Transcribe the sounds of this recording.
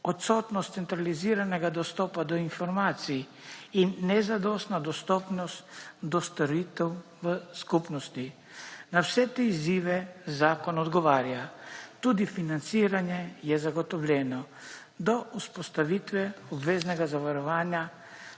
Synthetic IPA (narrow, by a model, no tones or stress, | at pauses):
ot̪sot̪nɔst̪sɛnt̪ɾaliziːɾanɛɡad̪ɔst̪ɔpad̪ɔinfɔɾmaːt̪sijiː | nːɛzad̪ɔst̪nad̪ɔst̪ɔpnɔst̪d̪ɔst̪oɾiːt̪ɛw | ʋəskupnɔst̪i | nawsɛt̪eiziːʋɛzaːkɔnɔd̪ɡɔʋaːɾjat̪ud̪ifinant̪siːɾanjɛjɛzaɡot̪ɔʋlʲɛnɔ | d̪ɔʔuspost̪aʋit̪ʋɛɔbʋeːznɛɡazaʋaɾɔʋaːnja